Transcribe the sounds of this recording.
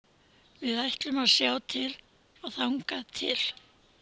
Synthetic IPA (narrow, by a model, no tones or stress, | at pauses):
vɪðajht̪lʏmaðsjaːwt̪ʰɪl | aɣθawŋkat̪ʰɪ̰l̥